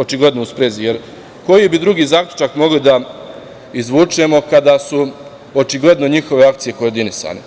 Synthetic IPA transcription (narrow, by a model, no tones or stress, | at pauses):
o̞t͡ʃiɡlˠe̞d̪nouspɾeːzije̞ɾ | ko̞jibid̪ɾuɡiːzaːklʲʎʲu̥t͡ʃakmo̞ɡlid̪a | izʋuːt͡ʂemo̞kad̪asu | o̞t͡ʃiɡle̞d̪no̞ɲixo̞ʋe̞ak̚t̪sije̞ko̞oɾd̪inisa̰ːne̞